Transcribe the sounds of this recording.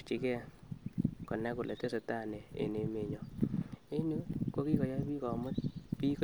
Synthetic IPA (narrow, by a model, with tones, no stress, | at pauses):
t͡ʃi˨kɛ˦ | kɔ˨nɛ˦kʊ˨lʔḛ˨te˦se˨ta˦˨ne˨ḛ˨ne˨me˨ɲɔ˦e˦nu˦ko˦ki˦kɔ˨ja˦pi˦kɔ˨mʊ˦t̪̚pi˦k